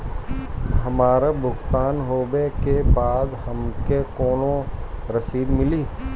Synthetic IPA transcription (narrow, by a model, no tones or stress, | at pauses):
ɦɐmaːɾabʱʊkt̪aːnɦoːbekebaːd̪hɐmkekoːnõɾɐsiːd̪mɪliː